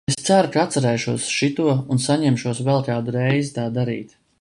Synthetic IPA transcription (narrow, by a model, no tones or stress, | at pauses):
est̪sæɾukaat̪sɛɾɛjʃuɔsʃit̪uɔunsaɲɛmʃuɔsvɛlˠkaːd̪uɾɛjzit̪aːd̪aɾḭːt̪